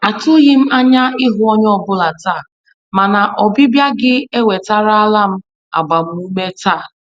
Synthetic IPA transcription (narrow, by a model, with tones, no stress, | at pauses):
a˨tʊ˦ɣɪ˦m̩˦a˦ɲa˦ɪ˦ɦʊ˦ɔ˦ɲ˦ɔ˨bʊ˦la˨ta˦˨ | ma˨na˨ʔɔ˨bɪ˦bja˦ɡɪ˦e˦we˨ta˦ɾa˦a˦la˦m̩˦ | a̰˨ɡ͡ba˨m̩˦u˦me˦taː˦˨